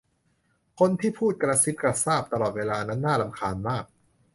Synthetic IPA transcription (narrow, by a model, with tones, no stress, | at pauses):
kʰo˧nt̪ʰiː˥˩pʰuː˥˩t̪̚kɾa˧si˦˥t̪̚ka˧˩saː˥˩p̚t̪a˧lɔː˨˩t̪̚weː˧laː˧na˦˥nːaː˥˩la˧mkʰaː˧nmaː˥˩k̚